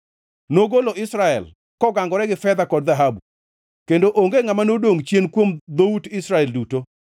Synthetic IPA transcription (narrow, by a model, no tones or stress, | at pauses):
noɡoloɪsɾaɛ̰l | kɔɡaŋɡɔɾɛɡɪfɛd̪akɔdðaɦabu | kendoʔoŋɡeŋamanodoŋt͡ʃjenkwomd̪outɪsɾaɛlduto